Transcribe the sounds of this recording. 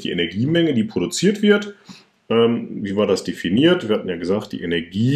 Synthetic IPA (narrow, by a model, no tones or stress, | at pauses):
d̥ḭːʔḛnɛɐɡiːmɛŋədiːpʁ̥oɾut͡siːɐtv̥ɪɐt | ʔɛːmviːvaːɐdasd̥efiniːɐtv̥iːɐhatn̩jaːɡəzaːxt̚d̥ḭːʔenɛɐɡiː